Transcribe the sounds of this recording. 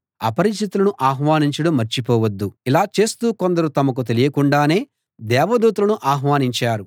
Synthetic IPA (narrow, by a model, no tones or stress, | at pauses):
ɐ̰pɐɾis̬t̪it̪ulɐnuʔaːɦʋaːniɲt͡ʃɐɽɐmːɐɾt͡ʃipɔːʋɐd̪ːuilaːt͡ʃe̞ːst̪uːkond̪ɐɾut̪ɐmɐk̬ut̪̬e̞lijɐkuɳɖaːne̞ː | d̪ɛːʋɐd̪uːt̪̬ulɐnuʔaːɦʋaːniɲt͡ʃaːɾu